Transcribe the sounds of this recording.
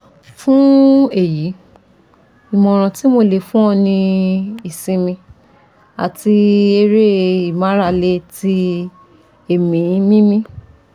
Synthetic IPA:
fũ˦e˦˨ji˨˦ | i˨mɔ̃˨ɾ̃ã˧ti˦mo˧le˨fũ˦ɔ̃˧nĩ˧i˨sĩ˧mĩ˧ | a̰˨ti˧e˧ɾe˦i˨mã˨˦ɾa˦˧˨le˧ti˧ | e˨mĩ˨˦mĩ˦mĩ˦

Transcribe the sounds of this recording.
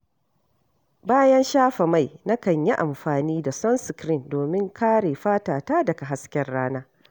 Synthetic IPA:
baː˦jɐ˦nʃaː˦ɸa˨ma˦˨jna˦kɐ˨ɲji˦ʔa˨mɸaː˨niː˦da˨sɔ˦nsɪ˨kɾɪ˦ndoː˨mɪ˦ŋkaː˦ɽeː˨ɸaː˦taː˨taː˦dɐ˨ka˨ɦa˦skʲɛ˨rːaː˦naː˦

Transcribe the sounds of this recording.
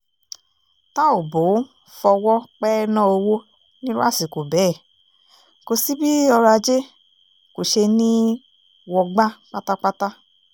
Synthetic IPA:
ta˦o˨bo˨˦ | fɔ˧wɔ˦k͡pɛ˦nã˦˨o˧wo˦ | nĩ˦ɾu˦a˦˨si˨ko˨bɛː˨˦˨ | ko˧si˦bi˦ɔ˧ɾa˧d͡ʒe˦ | ko˨ʃe˧nĩ˦ | wɔ˧ɡ͡ba˦k͡pa˦ta˦k͡pa˦ta˦

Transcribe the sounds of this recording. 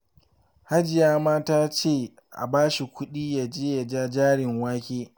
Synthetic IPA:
ha˦d͡ʒɪ˨jaː˦maː˦taː˦t͡ʃeː˦˨ | ʔa̰˨baː˦ʃi˨kʷʊ˦ɗiː˦ja˨d͡ʒeː˦ja˨d͡ʒaː˦d͡ʒaː˦ɽɪ˨ŋwaː˦kʲeː˦

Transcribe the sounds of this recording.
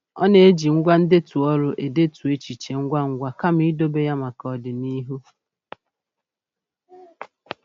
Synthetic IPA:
ɔ̰˦ne˨e˦d͡ʒi˨ŋ̩˦ɡʷa˦n̩˦de˦tu˨ɔ˦ɾʊ˦ʔe˨de˦tu˨e˦t͡ʃi˨t͡ʃe˨ŋ̩˦ɡʷa˦ŋ̩˦ɡʷa˦ka˦m̩i˦do˦be˦ja˦ma˨kɔ˨dɪ˨ni˦ɦu˦

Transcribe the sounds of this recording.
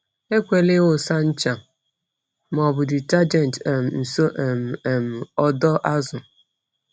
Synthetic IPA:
e˦kʷe˨lɪ˦ɣʊ˨sa˦n̩˦t͡ʃa˨ | mɔ˨bʊ˨dɪ˨ta˦d͡ʒɛ˦˨n˨tm˨n̩˨so˦ʔm˨e˨m̩˨ɔ˦dɔ˦ʔa˦zʊ˨

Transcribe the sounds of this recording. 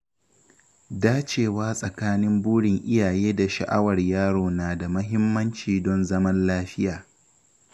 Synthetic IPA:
daː˦t͡ʃeː˨waː˦sʼɐ˨kaː˦nɪ˦mbuː˦ɽɪ˨ŋʔɪ˦jaː˨jeː˦da˨ʃa̰˨ʔa˦wɐ˨rjaː˦ɽoː˨naː˨da˨mɐ˦ɦɪ˦mːɐ˦nt͡ʃiː˨dɔ˦nzɐ˦mɐ˦nlaː˦ɸɪ˦jaː˨

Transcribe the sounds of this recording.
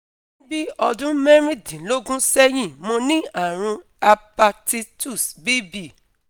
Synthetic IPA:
nĩ˦bi˦ɔ˧dũ˦mɛ̃˦ɾ̃ĩ˦dĩ˨lo˦ɡũ˦sɛ˦j̃ĩ˦˨mɔ̃˧nĩ˦a˦˨ɾ̃ũ˧ | a˧pa˧ti˧tu˦˨sbi˦bi˦˨

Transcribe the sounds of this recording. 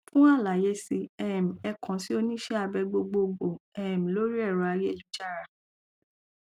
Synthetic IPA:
fũ˦a˦˨la˨je˦si˧ɛ˦˨m̩̃˨ɛ˧kʰɔ̃˨˦si˦o˧nĩ˦ʃɛ˦a˧bɛ˧ɡ͡bo˧ɡ͡bo˧ɡ͡bo˨ɛ˦˨m̩̃˨lo˦ɾi˦ɛ˦˨ɾɔ˧a˧je˦˨lu˨˦d͡ʒa˦˨ɾa˧˨

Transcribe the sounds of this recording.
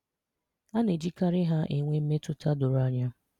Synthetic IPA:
a˦ne˨d͡ʒi˦ka˦ɾɪ˦ɦa˦ʔe˨ŋʷe˦m̩˦me˦tʊ˦ta˦dʊ˨ɾa˦ɲa˦

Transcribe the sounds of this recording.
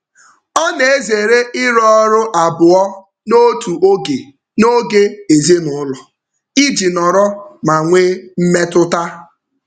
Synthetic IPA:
ɔ˦ne˨e˦ze˨ɾe˦ʔɪ˦ɾɔ˦ɔ˦ɾʊ˦ʔa˨bʊ˨ɔ˦ | no˦tu˨ʔo˦ɡe˨ | no˦ɡe˦e˨ze˦nʊ˨˦ʊ˦lɔ˨ | i˦d͡ʒi˨nɔ˨ɾɔ˦ma˨ŋʷe˦m̩˦me˦tʊ˦ta˦

